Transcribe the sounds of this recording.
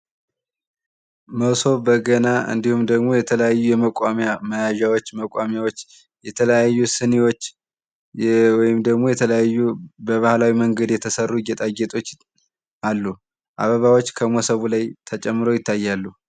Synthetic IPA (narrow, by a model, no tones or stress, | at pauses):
məso̞bəɡənaʔɨ̰nd̪ihumd̪əɡmo̞jɛt̪ʰələjajːujɛməkʷʼamjaməjaʒawot͡ʃːməkʼwamjawot͡ʃː | jɛt̪ʰələjajːusɨniwo | wɔjɪmd̪əɡmo̞jɛt̪ʰələjajːubəβahlawiməŋɡəd̪jɛt̪ʰəsərːuɡɛt̪ʼaɡet̪ʼo̞t͡ʃː | ʔalːu | ʔa̰βəβawo̞t͡ʃːkʰəmosəβulajt̪ʰət͡ʃʼɛmːɨɾo̞jɪt̪ːajːalːu